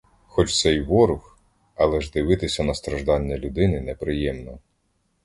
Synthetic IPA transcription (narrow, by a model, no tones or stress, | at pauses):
xɔt͡ʃt̪sɛjʋɔɾʊx | ɐlˠɛʒd̪ɪʋɪt̪ɪsʲɐnɐst̪ɾɐʒd̪ɑnʲːɐlʲʊd̪ɪnɪnɛpɾɪjɛmnɔ